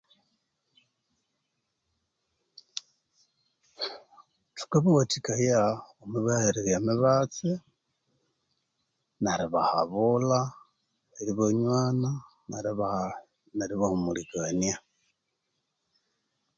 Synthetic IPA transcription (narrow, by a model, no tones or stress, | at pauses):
tu̥kaβiwatikajaomiβaheɾeɾjamiβat͡se | naɾiβaha̰βula | eɾiβoɲwaːna | naβa | naɾiβahumulikania